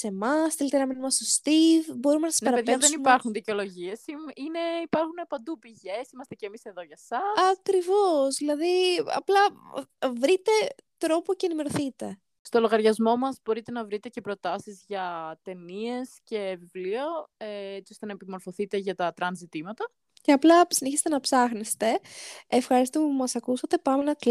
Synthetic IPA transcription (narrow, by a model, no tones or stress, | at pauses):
se̞mɐsθelit̪enɐminumɐst̪ost̪ivbo̞ɾumenɐsispɐɾɐpeðpeðesniumpɐɾxunðiceolo̞ʝie̞siine̞ipɐɾxunepɐnd̪upiʝe̞simɐst̪ecemise̞ðo̞ʝɐsɐsɐkɾivo̞zðilɐðiɐ̰plɐ | vɾit̪e̞t̪ɾo̞po̞ceːnime̞ɾo̞θit̪e̞ | st̪o̞lo̞ɣɐɾʝɐzmo̞mɐzbo̞ɾit̪e̞nɐvɾit̪e̞ce̞pɾo̞t̪ɐsizʝɐt̪e̞nie̞sce̞vivlioeet͡siost̪e̞nɐepimo̞ɾfo̞θit̪e̞ʝɐt̪ɐt̪ɾɐnzit̪imɐt̪ɐ | ce̞ɐplɐsineçist̪e̞nɐpsɐxnest̪e̞efxɐɾist̪ompumɐsɐkusɐt̪e̞pɐmenɐk